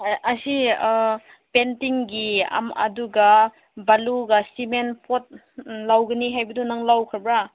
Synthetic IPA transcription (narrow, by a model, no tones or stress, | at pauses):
ɐsi | pentiŋɡia̰mɐ̰duɡa | baluɡasimenpʰot̚ | lawɡɐniɦajbɐdunaŋlawkʰabɾa